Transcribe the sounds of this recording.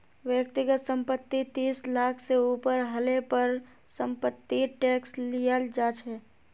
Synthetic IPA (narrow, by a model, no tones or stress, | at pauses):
ʋjəkt̪ɪɡət̪sə̃mpət̪ːit̪iːslaːkʰseuːpəɾɦəlepəɾ | sə̃mpət̪ːiʈɛːkslijəld͡ʒaːt͡ʃʰɛː